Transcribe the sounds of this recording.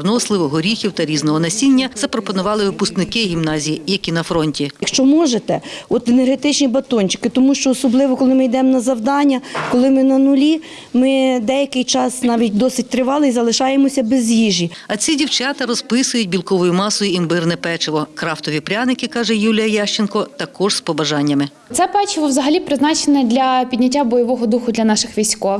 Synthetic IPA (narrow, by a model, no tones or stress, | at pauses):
rnɔslˠɪʋɔɦɔɾʲixʲiwt̪ɐɾʲiznɔɦɔnɐsʲinʲːɐz̥ɐpɾɔpɔnʊʋɑlˠɪʋɪpʊst̪nɪkɪɦʲimnɑzʲijijɐkʲinɐfɾɔnʲtʲijɐkʃt͡ʃɔmɔʒet̪ɛɔt̪enerɦet̪ɪt͡ʃnʲibɐt̪ɔnʲt͡ʃɪ̥kɪt̪ɔmuʃt͡ʃɔːsɔblˠɪʋɔkɔlˠɪmɪjd̪ɛmɔnɐzɐwd̪ɑnʲːɐkɔlˠɪmɪnɐnʊlʲi | mɪd̪ɛjɐkɪjt͡ʃɑsnɑʋʲitʲd̪ɔsɪt̚ʲt̪ɾɪʋɑlˠɪjzɐlˠɪʃɑjemɔsʲɐbezjiʒʲiɐt͡sʲidʲiwt͡ʃɑt̪ɐɾɔspɪsʊjʊtʲbʲilˠkɔʋɔjʊmɑsɔjʊimbɪrnɛpɛt͡ʃɪʋɔkɾɑwt̪ɔʋʲipɾʲanɪkɪkɑʒɛjulʲijɐjaʃt͡ʃenkɔt̪ɐkɔʒspɔbɐʒɑnʲːɐmɪ | t̪sɛpɛt͡ʃɪʋɔwzɐɦɐlʲipɾɪznɑt͡ʃenɛd̪ʲlʲɐpʲidʲnʲɐtʲːabɔjɔʋɔɦɔd̪uxʊd̪lʲɐnɑʃɪxʋʲijsʲkɔw